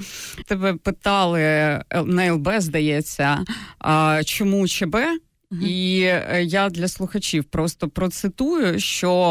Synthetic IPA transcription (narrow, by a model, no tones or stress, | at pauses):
t̪ɛbɛpɪt̪ɑlˠɪnɐɛlˠbɛzd̪ɐjɛt͡sʲːɐ | t͡ʃɔmut͡ʃebɛ | i | jad̪lʲɐslˠʊxɐt͡ʃiwpɾɔst̪ɔpɾɔt̪sɪt̪ujʊʃt͡ʃɔ